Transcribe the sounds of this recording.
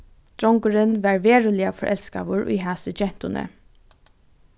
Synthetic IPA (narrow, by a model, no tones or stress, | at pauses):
d̪̥ɾɔŋkʊɹɪnʋæɹʋeːɹʊlɪafɔɹʔɛ̰lska̰ːʋʊɹʔʊ̰jɦæːsəd͡ʒɛn̥t̪ʊnə̰